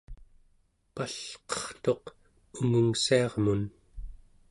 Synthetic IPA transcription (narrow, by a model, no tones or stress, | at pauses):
paɬqʌ̥χt̪o̞q | uŋuŋsiɑʁmun